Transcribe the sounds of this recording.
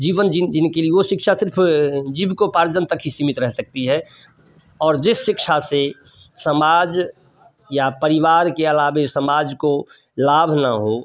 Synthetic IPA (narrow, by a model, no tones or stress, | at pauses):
d͡ʒiːʋənd͡ʒɪd͡ʒɪnkelieoʃɪkʃasɪɾpʰd͡ʒibkopaːɾd͡ʒənt̪əkɦisimɪt̪ɾɛɦsək̚t̪iɦɛː | ɔːɾd͡ʒɪsːɪkʃase | səmaːd͡ʒ | japəɾɪʋaːɾkeɐlaːbesəmaːd͡ʒko | laːbʱna̰ɦo